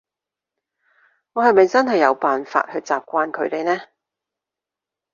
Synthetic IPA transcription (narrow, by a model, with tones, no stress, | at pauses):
ŋɔː˨˧hɐ˨jmɐ˨jt͡sɐ˥nɦɐ˨jːɐ˨˧wpaː˨nfa̰ː˧t̚hɵ˧ɥt͡saː˨p̚kʷaː˧nkʰɵ˨˧ɥt̪e˨˧jnɛː˥